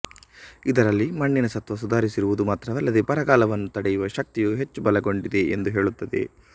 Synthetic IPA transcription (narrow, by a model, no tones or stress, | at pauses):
id̪ɐɾɐlːimɐɳːinɐsɐt̪ʋɐsud̪ʱaːɾisiɾuʋud̪umaːt̪ɾɐʋɐlːɐd̪epɐɾɐɡaːlɐʋɐnːut̪ɐɽɛjuʋɐʃɐk̚t̪ijuɦe̞t͡ʃːubɐlɐɡo̞ɳɖid̪e̞end̪uɦe̞ːɭut̪ːɐd̪e̞̰